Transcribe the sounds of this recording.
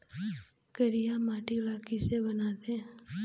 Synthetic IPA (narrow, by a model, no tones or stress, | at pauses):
kəɾɪjaːmaːʈilaːkisebənaːd̪ẽː